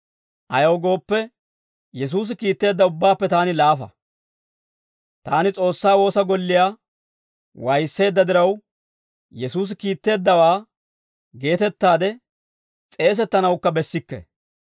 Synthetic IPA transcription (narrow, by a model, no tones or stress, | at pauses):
ʔɐjoːɡo̞ːpːɛ | jɛs̬uːs̬ɪkiːt̪ːe̞ːd̪ːɐʊbːaːpːɛt̪aːnɪlaːfɐ̰ | t̪aːnɪt͡sʼo̞ːsːaːwo̞ːsɐɡɔlːɪjaː | wɐjsːe̞ːd̪ːɐd̪ɪɾɐw | jɛsuːs̬ɪkiːt̪ːe̞ːd̪ːɐwaː | ɡe̞ːt̪ɛt̪ːaːd̪ɛ | t͡sʼe̞ːs̬ɛt̪ːɐnɐwkːɐbɛsːɪkːɛ̰